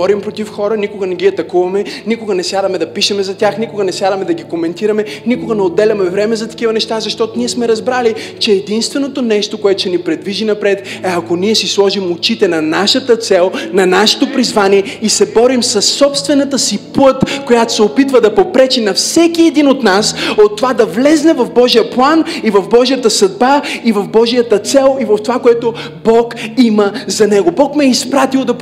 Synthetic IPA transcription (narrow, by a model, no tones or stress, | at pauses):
ɔɾimpɾot̪ifxɔɾənikoɡənɛɡʲiɐt̪ɐkuvɐmɛnikoɡɐnɛsʲjad̪ɐmɛd̪ɐpiʃɛmɛzɐt̪ʲaxnikoɡɐnɛsjad̪ɐmɛd̪ɐɡikomɛnt̪iɾɐmɛnikoɡənɛod̪ːɛlʲɐmɛvɾɛmɛzɐt̪ɐ̥kivənɛʃt̪azɐʃt̪ɔt̪oniɛsmɛɾɐzbɾalit͡ʃɛːd̪inst̪vɛnot̪onɛʃt̪okoɛt̪o̥ʃɛnipɾɛd̪viʒinɐpɾɛt̪ɛɐkoniɛsislˠɔʒimot͡ʃit̪ɛnɐnaʃət̪ət̪sɛlˠnɐnaʃɛ̥t̪opɾizvaniɛisɛbɔɾimsɐsːɔpst̪vɛnɐt̪əsiplˠɤt̪kojat̪o̥sɛopit̪vəd̪ɐpopɾɛt͡ʃɛnɐfsɛk̟iɛd̪inot̪nasot̪ːovad̪ɐvlɛznɛvɐvbɔʒijəplˠanivɐvbɔʒijət̪əsɐd̪̚baivɐvbɔʒijət̪ət̪sɛlˠivɐft̪ovakoɛt̪o | bɔkiməzɐnɛɡobɔkmɛɛispɾat̪ilˠd̪ɐp